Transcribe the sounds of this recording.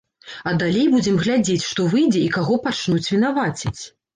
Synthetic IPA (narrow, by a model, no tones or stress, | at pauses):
ɐd̪alʲejbud͡zʲɛmɣlʲad͡zʲet͡sʲʂt̪ɔvɨjd͡zʲɛikaɣɔpat͡ʂnut͡sʲvʲinavat͡sʲit͡sʲ